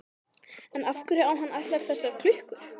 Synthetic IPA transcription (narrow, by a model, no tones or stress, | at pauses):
ɛnafkʏɾɛawɦanːat̪laɾ̥θɛsːaɾ̥kʰlʏhkʏ̥